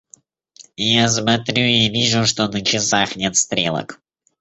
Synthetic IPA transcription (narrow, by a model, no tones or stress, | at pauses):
jas̬mɐt̪ɾʲuivʲiʐʊʂt̪o̞nət͡ɕɪsaxnʲet̪st̪ɾʲḛlˠə̰k